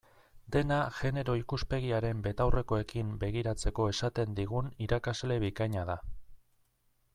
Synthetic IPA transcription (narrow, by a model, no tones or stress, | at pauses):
d̪e̞naʝe̞ne̞ɾo̞ikuspe̞ɣ̞iaɾe̞mbe̞t̪awre̞koe̞kimbe̞ɣiɾat͡se̞ko̞e̞sat̪e̞nd̪iɣ̞uniɾakazle̞βikaɲaða